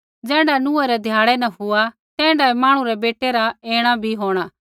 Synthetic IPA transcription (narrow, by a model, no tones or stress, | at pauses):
d͡ʒɛ̃ːɳɖanũɛɾɛd̪ʱjaːɭɛnɐ̃ɦʊa | t̪ɛ̃ːɳɖaɛmãːɽ̃ũɾɛbeːʈeɾaeːɽ̃abʱiɦoːɽ̃aː